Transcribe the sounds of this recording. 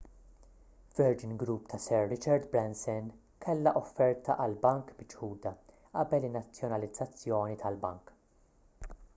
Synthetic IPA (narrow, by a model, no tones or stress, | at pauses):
vɛɾd͡ʒɪnɡɾupːt̪ʰɐsɛɾːɪt͡ʃɐɾd̪bɾɛnsɛn | kʰɛlːɐʔɔfːɛɾt̪ʰɐʔɐlbɐŋkbɪt͡ʃħuːd̪ɐ | ʔɐbɛlɪnːɐt͡sːjɔnɐlɪd͡zːɐt͡sːjɔːnit̪ʰɐlbɐ̰ŋk